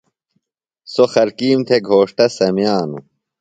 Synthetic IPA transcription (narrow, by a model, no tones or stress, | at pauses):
soxɐɾkiːmt̪ʰeɡʱoːʂʈɐsɐmjaːnu